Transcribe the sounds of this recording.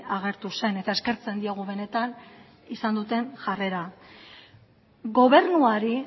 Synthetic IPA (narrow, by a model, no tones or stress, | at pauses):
aɣ̞e̞ɾt̪use̞ne̞t̪ae̞ske̞ɾt͡se̞nd̪iaɣ̞uβe̞ne̞t̪an | isand̪ut̪e̞nʝare̞ɾa | ɣo̞βe̞ɾnuaɾi